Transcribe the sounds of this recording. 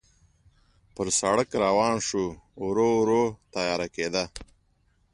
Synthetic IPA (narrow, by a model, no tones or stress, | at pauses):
pəɾsaɽakɾawɑːnʂuɾoɾot̪ajɑːɾakeːd̪a